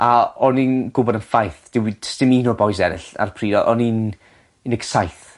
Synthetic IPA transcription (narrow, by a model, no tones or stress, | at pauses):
aɔninɡ̥ʊbɔdənfajθd̥ɪwidstɪminɔbɔjsɛɾɪ̰ɬa̰rpʰriːdɔʔɔnin | nɪksajθ